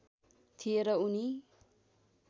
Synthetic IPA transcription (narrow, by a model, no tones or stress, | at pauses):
t̪ʰijeɾʌuni